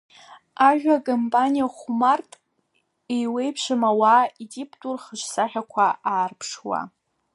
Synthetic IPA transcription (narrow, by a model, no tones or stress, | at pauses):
aʒᶣakʼompʼanijaχumartʼ | ejwe̞jpʰʂɨmawaitipʰʼtʼurχəʃsaħʲᶣakʷʰaaːrpʰʂwa̰